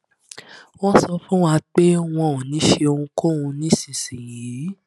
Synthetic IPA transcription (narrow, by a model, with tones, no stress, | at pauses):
w̃ɔ̃˦sɔ˧fũ˦wa˦˧k͡pe˦w̃ɔ̃˧˨nĩ˨˦ʃe˧o˧ũ˧ko˦ũ˧nĩ˦sĩ˨sĩ˨ji˨˦